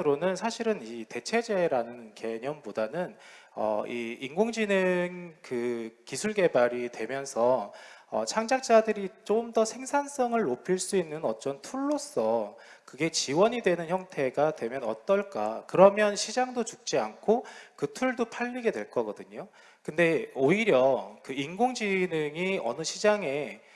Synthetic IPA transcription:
ɯɾonɯnsʰaɕʰiɾɯnite̞t͡ɕʰe̞d͡ʑe̞ɾanɯnke̞ɲʌnbodanɯnʌ̰iiŋɡoŋd͡ʑineŋkɯkisʰuɭɡe̞baɾidwe̞mjʌnsʰʌʌ̰t͡ɕʰaŋd͡ʑak̚t͡ɕ͈adɯɾit͡ɕ͈omdʌsʰe̞ŋsʰans͈ʌŋɯɭːopʰiɭs͈uinːɯnʌt͡ɕ͈ʌntʰuɭːos͈ʌkɯɡe̞t͡ɕiwʌɲidwe̞nɯnçjʌŋtʰe̞ɡadwe̞mjʌnʌ̰t͈ʌɭk͈a̰kɯɾʌmjʌnɕʰid͡ʑaŋdot͡ɕuk̚t͡ɕ͈iankʰokɯtʰuɭdopʰaʎːiɡe̞dwe̞ɭk͈ʌɡʌdɯɲo | kɯnde̞oiɾjʌkɯiŋɡoŋd͡ʑinɯŋiʌ̰nɯɕʰid͡ʑaŋe̞

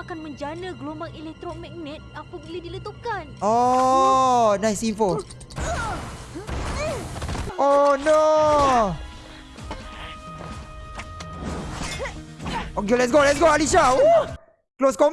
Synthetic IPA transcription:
akanmə̃ɲd͡ʒanəɡlombaŋelɛk̚t̪ɾomɛk̚mɛt̪̚apəbiladilət̪ukano | nãjsinfo | ono | okelɛts̬ɡolɛt̚sɡoalis̬a | kloskɔm

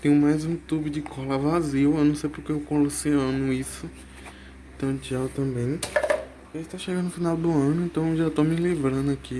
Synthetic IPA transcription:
t̪ẽjʊmajzũt̪ubɪd͡ʒɪkʰɔlɐvaziwewnɐ̃w̃sejpoɾkeewkõloseɐ̃nʊisʊ | ẽt̪ɐ̃w̃t͡ʃiawt̪ɐ̃bẽj̃ | ʒaist̪aʃeɡɐ̃ʊfinawd̪ʊɐ̃nʊẽnt̪ɐ̃w̃ʒat̪omɪlivɾɐ̃nd̪ʊakʰi

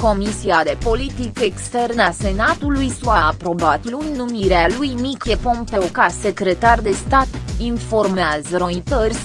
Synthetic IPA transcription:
ko̞misiad̪e̞po̞lit̪ikekst̪e̞rnəase̞nat̪ulujsuaːpɾo̞bat̪lunnumiɾealujmikʲepompeokasekɾe̞t̪ard̪e̞st̪at̪info̞rmeazəɾo̞it̪ərʲs

